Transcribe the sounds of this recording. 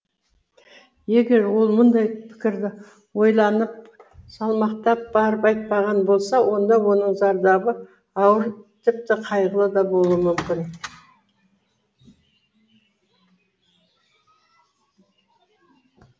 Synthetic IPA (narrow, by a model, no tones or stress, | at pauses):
je̞ɡʲe̞ɾwo̞lˠmʊnd̪ɑjpʰɪ̥kʲɪɾd̪ɪ | wo̞jlˠɑnəp̚sɑlˠmɑqt̪ɑp̚bɑɾəpɑjt̪̚pɑʁɑnbo̞lˠsɑwʔo̞nd̪ɑwo̞nəɴzɑɾd̪ɑbə | ɑwəɾt̪ʰɪp̚t̪ɪqʰɑjʁəlˠəd̪ɑbo̞lˠuwəmʏmkʲɪn